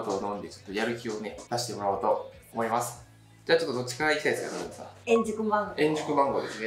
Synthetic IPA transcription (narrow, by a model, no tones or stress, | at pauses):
t̪oːnõ̞nd̪e̞t͡ɕo̥t̪ːojaɾɯ̟kʲio̞ned̪aɕi̥t̪e̞mo̞ɾaot̪o̞ːmo̞imasɨ̥ | d͡ʑaːt͡ɕot̪ːo̞d̪o̞t͡ɕi̥kaiseːsɨɡa̰naɾɯ̟̃nsa̰ẽɲd͡ʑɨkɯbãŋɡoẽ̞ɲ̟d͡ʑɨkɯ̟bãŋɡo̞ːd̪e̞sne